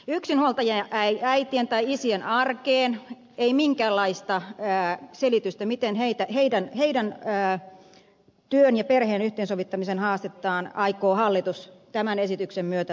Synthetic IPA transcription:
yksinhuolt̪ɑjɑʔæiæit̪ient̪ɑiisienɑrkeːn | eimiŋkæːlːɑist̪ɑəːselit̪yst̪æmit̪enheit̪æheidænheidænː | t̪yønjɑperheːnyht̪ˑeːnsoʋit̪ːɑmisenhɑːst̪et̪ːɑːnɑikoːhɑlːit̪ust̪æmænesit̪yksemmyøt̪æ

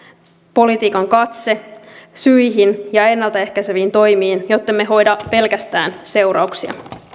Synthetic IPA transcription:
po̞lit̪iːkɑŋkɑt̪se̞syjɦinjɑe̞nːɑlt̪ɑe̞hkæseʋiːnt̪o̞jmiːnjo̞t̪ːemːe̞ɦo̞jdɑpe̞lkæst̪æ̰ːnse̞uɾɑ̰uksiɑ̰

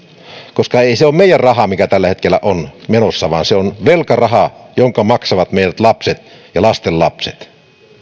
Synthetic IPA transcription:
koskɑeiseoːmmeijærrɑhɑmikæt̪ælːæhet̪kelːˑæ̰ʔonmenosːɑʋɑ̰ːnseonʋelkɑrɑhɑjoŋkɑmɑksɑʋɑt̪meˑiɾæt̪lɑpset̪ | jɑlɑst̪elːɑpsḛt̪

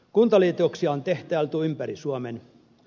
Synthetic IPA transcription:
kunt̪ɑliːt̪oksiɑont̪eht̪æælt̪uoympæɾisuɑmen

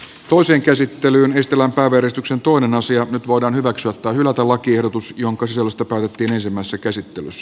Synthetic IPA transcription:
t̪o̞iseːŋkæsit̪ːelyːnest̪elæmpæiʋæjæɾest̪yksent̪o̞inenɑsiɑnyt̪ʋo̞idɑːnhyʋæksyæt̪ːæːhylæt̪ælɑkiehdot̪usjoŋkɑsisolːøst̪ɑpæːˑyt̪et̪ːiːnensimːæˑisesːækæsit̪ːelysːæ

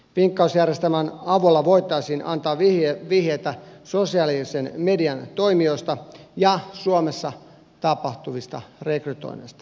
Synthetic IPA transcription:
ʋiŋkːɑusjærjest̪æmænɑʋulːɑʋo̞it̪ˑɑisiːnɑ̰nt̪ɑːʋiʋihet̪æsosiɑlisenmediɑnt̪o̞imiost̪ɑjɑsuomesːɑ | t̪ɑpɑht̪uʋist̪ɑ̰rekryt̪o̰inḛst̪ɑ̥

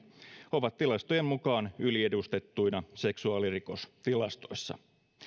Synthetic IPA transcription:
o̞ʋɑt̪tilɑst̪ojemmukɑːnylie̞dust̪e̞t̪ːujnɑse̞ksuɑːliriko̞st̪ilɑst̪o̞̰jsːɑ̰

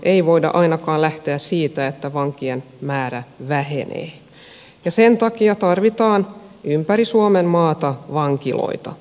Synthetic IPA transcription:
ʔeiʋo̞idɑ̰ʔɑinɑkɑːlæht̪eæssiːt̪æet̪ːæʋɑŋkien | mæːɾæʋæɦenḛː | jɑsent̪ɑkiɑt̪ɑrʋit̪ɑːnʔympærisuomemmɑːt̪ɑʋɑŋkilo̰it̪ɑ̰

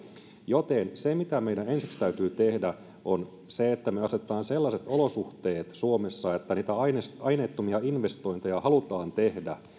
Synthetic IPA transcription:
jot̪ensemit̪æmejdæensikst̪æyt̪yːt̪ehdæ | on | seet̪ːæmøɑset̪ˑɑːnselːɑset̪olosuht̪eːt̪suomesːɑet̪ːæniːt̪æɑinsɑjneːt̪ːomiɑinʋest̪o̞int̪ejɑhɑlut̪ɑːnt̪ehdæ

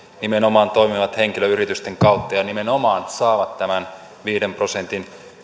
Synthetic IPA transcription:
nimenomɑːnt̪oimiʋɑt̪heŋkiløyrit̪yst̪eŋkɑut̪ːɑjɑnimenomɑːnt̪sɑːʋɑt̪tæmæn | ʋiːɾemprosent̪in

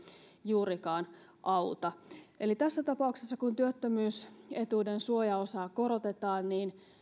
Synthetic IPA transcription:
juːɾikɑːnʔɑwt̪ɑʔelit̪æsːæt̪ɑpɑˑuksesːɑkunt̪yøt̪ːømyːse̞t̪uːdensuojɑo̞sɑːko̞ɾo̞t̪e̞t̪ɑːnniːn

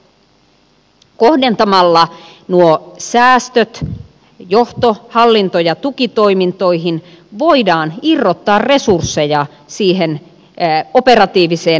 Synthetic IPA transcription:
kohde̞nt̪ɑmɑlːɑnuosæːst̪øt̪ | jo̞ht̪ohɑlːint̪ojɑt̪ukit̪o̞imint̪o̞iɦin | ʋo̞idɑːnirːot̪ːɑːrre̞sursːejɑ | siːɦen | o̞pe̞ɾɑt̪iːʋiseː

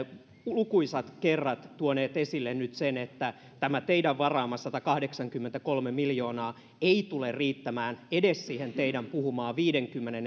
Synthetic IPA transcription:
lukuisɑt̪kerːɑt̪t̪uoneːt̪esilːennyt̪senet̪ːæ | t̪æmæt̪eidæʋʋɑrɑːmɑsɑt̪ɑkɑhdeksɑŋkymːent̪ækolmemiljo̞ːnɑː | eit̪ulerriːt̪ːæmæːnedessiːhent̪eidæmpuhumɑːʋiːdeŋkymːenen

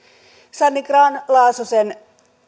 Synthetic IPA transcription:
sanːikrɑːnlɑːsosen

